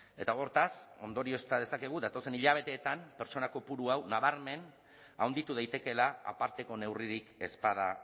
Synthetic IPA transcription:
e̞t̪ao̞ɾt̪aso̞̰nd̪o̞ɾio̞st̪að̞e̞sake̞ɣ̞uðat̪o̞se̞niʎaβ̞e̞t̪e̞ːt̪ampe̞ɾt͡ʃo̞nako̞puɾuawnaβ̞aɾme̞n | a̰wnd̪it̪uð̞eajt̪e̞ke̞laa̰paɾt̪e̞ko̞ne̞wriɾike̞spað̞a

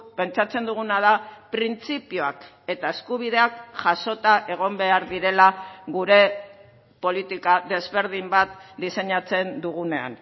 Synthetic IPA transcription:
pe̞nt͡sat͡se̞nd̪uɣunað̞apɾint͡sipioak | e̞t̪ae̞skuβ̞iðe̞akʝaso̞t̪aʔe̞ɣ̞o̞mbe̞aɾðiɾe̞laɣuɾe̞ | po̞lit̪ikaðe̞zβe̞ɾð̞imbat̪̚d̪ise̞ɲat͡se̞nd̪uɣ̞une̞a̰n

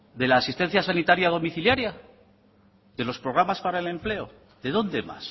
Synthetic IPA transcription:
d̪e̞laːsist̪e̞n̟θjasanit̪aɾjað̞o̞miθiljaɾja | ðe̞lo̞spɾo̞ɣ̞ɾamaspaɾaele̞mple̞o̞ | ðe̞ðo̞nd̪e̞ma̰s

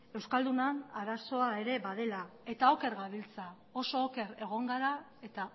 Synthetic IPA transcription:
e̞wskald̪unanaɾaso̞ae̞ɾe̞βað̞e̞lae̞t̪aoke̞ɾɣaβilt͡sa | o̞soːke̞ɾe̞ɣ̞o̞ŋɡaɾa | e̞t̪a

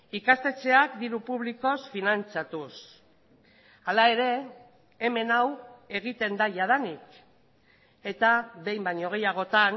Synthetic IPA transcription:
ikast̪e̞t͡se̞akd̪iɾupuβ̞liko̞sfinant͡sat̪us | alae̞ɾe̞ː | me̞nawe̞ɣit̪e̞nd̪aʝað̞anik | e̞t̪aβe̞jmbaɲo̞ɣ̞ejaɣ̞o̞t̪an

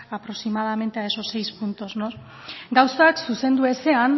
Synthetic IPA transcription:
apɾo̞simað̞ame̞nt̪eaeso̞se̞jspunt̪o̞znos | ɡawsaksuse̞nd̪ue̞se̞an

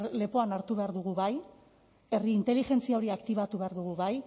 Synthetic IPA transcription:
le̞po̞anaɾt̪uβe̞aɾðuɣuβaj | e̞riːnt̪e̞lixe̞nt͡siao̞ɾiakt̪iβ̞at̪uβe̞aɾðuɣ̞uβaj

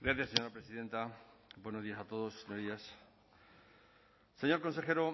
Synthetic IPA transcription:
ɡɾaθjaseɲo̞ɾapɾesiðe̞nt̪abwe̞nozðiasat̪o̞ð̞osseɲoɾðias | se̞ɲoɾko̞nse̞xe̞ɾo

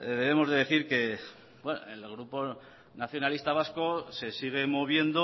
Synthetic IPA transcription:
ðe̞βemo̞zðe̞ðeθiɾke̞ | bweno̰e̞lɣ̞ɾupo̞ | naθjo̞nalist̪aβ̞asko̞se̞siɣ̞e̞moβ̞je̞nd̪o

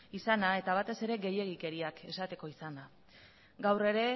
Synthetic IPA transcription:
isanae̞t̪aβ̞at̪e̞se̞ɾe̞ɣe̞je̞ɣ̞ike̞ɾiake̞sat̪e̞ko̞isana | ɡawre̞ɾe̞

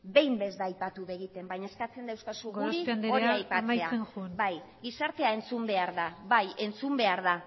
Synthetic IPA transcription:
be̞jmbe̞zd̪aːjpat̪uβe̞ɣ̞it̪e̞mbaɲaeskat͡se̞nd̪ewskasuɣuɾind̪oiajpamt͡sajeaenxunbajɡisaɾt̪e̞ae̞nt͡sumbe̞aɾðaβaje̞nt͡sumbe̞aɾða

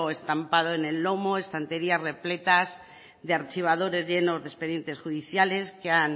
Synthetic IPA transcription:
e̞st̪ampað̞oene̞lːo̞moe̞st̪ant̪e̞ɾiasre̞ple̞t̪az | ðeaɾt͡ʃiβ̞að̞o̞ɾe̞zʝe̞no̞zðespe̞ðje̞nt̪e̞sxuðiθjale̞skean

